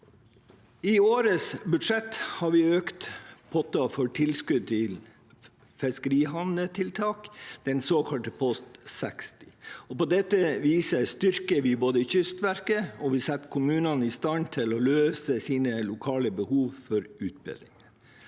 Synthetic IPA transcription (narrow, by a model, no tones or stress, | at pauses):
ɪoːɾəsbʉd̪ʂɛt̪ːhɑɾʋɪøːkt̪pʰɔt̪ɑfɔʈʰɪlskʉd̪̚t̪ʰɪl | fɛskəɾiːɦɑnət̪ʰɪlt̪ʰɑːkd̪̥ɛnsoːkʰɑlʈ̪əpʰɔst̪sɛkst̪ɪ̥ɔpɔd̪ɛt̪ːəʋiːsəst̪ʏɾkəɾʋɪboːd̪əɪçʏst̪ʋæɾkəɔʋɪsɛt̪ːkʰʊmʉːnɑnɪst̪ɑnt̪ʰɪlɔløːsəsiːnəlʊkʰɑːləbəhuːʋfɔɾʉːt̪̚bɪ̰lɪŋən